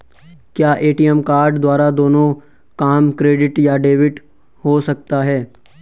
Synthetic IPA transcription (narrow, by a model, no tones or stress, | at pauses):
kjaːʔeːʈijɛmkaːɾɖd̪waːɾad̪oːnõ | kaːmkɾeːɖɪʈjaɖeːʋɪʈ | hosɐk̚t̪aɦɛː